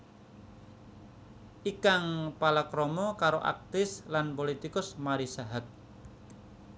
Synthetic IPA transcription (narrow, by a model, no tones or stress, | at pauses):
ʔikaŋpalakɾɔmɔkaɾoʔa̰k̚t̪ɪslanpolit̪ikʊsmaɾisaɦat̪̚